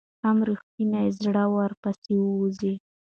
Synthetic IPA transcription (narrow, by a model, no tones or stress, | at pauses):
amɾixt̪inazɽawaɾpasewəzi